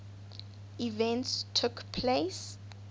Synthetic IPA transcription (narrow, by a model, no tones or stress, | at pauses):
ivɛ̃ntstʰukpʰles